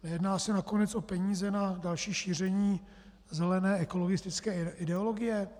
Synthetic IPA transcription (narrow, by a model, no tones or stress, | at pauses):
nɛjɛdnaːsɛnako̞nɛt͡sʔo̞pɛɲiːzɛnadalʃiːʃiːr̝ɛɲiː | zɛlɛnɛːɛko̞lo̞ɡɪst̪ɪt͡skɛːʔɪdɛolo̞ɡɪjɛ